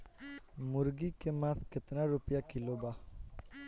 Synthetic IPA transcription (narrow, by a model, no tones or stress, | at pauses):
mʊɾɡikemãskɪt̪naɾʊpjakɪlobaː